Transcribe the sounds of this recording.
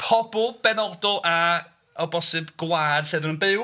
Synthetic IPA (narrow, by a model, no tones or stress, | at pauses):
pʰɔbʊlˠb̥ɛnɔdɔlˠʔa | ɔbɔsɨbɡ̥waːdɬɛdənənbɨw